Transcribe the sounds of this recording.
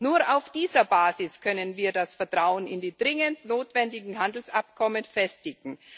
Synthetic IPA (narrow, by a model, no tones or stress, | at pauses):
nuːɐaʊfd̥iːzɐbaːzɪskʰœnənviːɐdasfɛɐtʁ̥aʊənɪ̰ndiːd̥ʁɪŋəntnoːtv̥ɛndɪɡŋ̩ɦandl̩sʔap̚kʰɔmənfɛstɪɡŋ̩